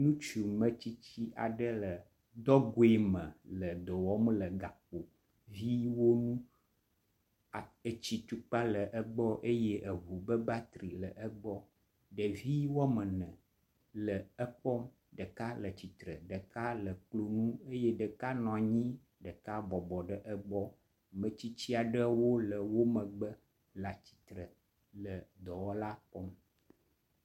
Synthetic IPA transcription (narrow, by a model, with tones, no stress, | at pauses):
nũ˦t͡ʃu˨mə̃˨t͡ɕi˦t͡ɕi˦ʔa̰˨ɖə˦lə˨ | d̪ɔ˦ɡo˦e˦mə̃˨lə˨d̪ɔ˨wɔ˦m˦lə˨ɡa˨k͡po˨ | vi˦wo˦nũ˦ | a˨ə˨t͡ɕi˨t̪u˨k͡pa˦lə˨ʔə˦ɡ͡bɔ˦ʔe˦je˦ʔə˨ɦu˨bə˦ba˦t̪ɾi˨lə˨ʔə˦ɡ͡bɔ˦ | ɖə˨vi˦wɔ˦mə̃˨nə̃˨ | lə˨ə˦k͡pɔ˦m | ɖə˨ka˦lə˨t͡ɕi˨t̪ɾə˨ɖə˨ka˦lə˨k͡plo˨nũ˦e˦jɛ˦ɖə˨ka˦nɔ̃˨a˨ɲĩ˦ | ɖə˨ka˦bɔ˨bɔ˨ɖə˨ʔə˦ɡ͡bɔ˦˨ | mə̃˨t͡ɕi˦t͡ɕi˦a˨ɖə˦wo˦lə˨wo˦mə̃˨ɡ͡bə˦ | la˨t͡ɕi̥˨t̪ɾə˨ | lə˨d̪ɔ˨wɔ˦la˦k͡pɔ˦m